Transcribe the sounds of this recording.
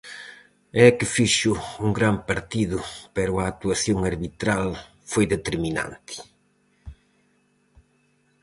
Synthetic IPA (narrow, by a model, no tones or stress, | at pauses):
ɛkɪfiʃʊuŋɡɾampaɾt̪iðʊpɛɾʊaːk̚t̪uaθjoŋaɾβit̪ɾal | fojðet̪eɾmina̰nt̪ɪ̥